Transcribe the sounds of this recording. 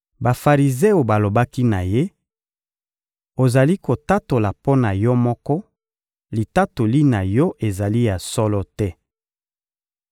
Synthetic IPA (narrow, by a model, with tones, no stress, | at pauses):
ba˨fa˨ʁi˨ze˦o˨ba˨lo˨ba˦ki˦na˨je˦ | o˨za˨li˦ko˨ta˦to˨la˨po˦na˨jɔ˦mɔ˦kɔ˦ | li˨ta˦to˨li˦na˨jɔ˦ʔe˨za˨li˦ja˨sɔ˦lɔ˦tɛ˦